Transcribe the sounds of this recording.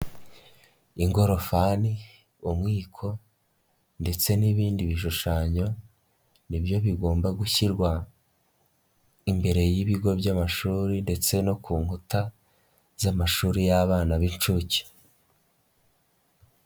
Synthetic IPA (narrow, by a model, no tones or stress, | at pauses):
iŋɡo̞ɾo̞fani | umŋiːkʰo̞ | nde̞t͡se̞niβiːndiβiʃ̬uʃaɲo̞ | nibjo̞βiɡo̞ːmbaɡuçiɾɡwa | imbe̞ɾe̞jiβiɡo̞bjamaʃuːɾinde̞t͡se̞no̞kuːŋhuta | z̥amaʃuːɾijaβaːnaβint͡ʃuci̥